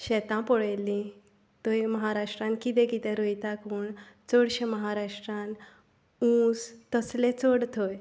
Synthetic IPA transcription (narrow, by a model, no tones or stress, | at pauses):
ɕɛt̪ãpɔɭejlĩ | t̪ojməɦaɾaʂʈɾãn̚kit̪ɛ̃kit̪ɛ̃ɾojt̪akuːɳt͡sɔɽɕeməɦaɾaʂʈɾãn | ũst̪əslẽt͡sɔɽt̪ʰoj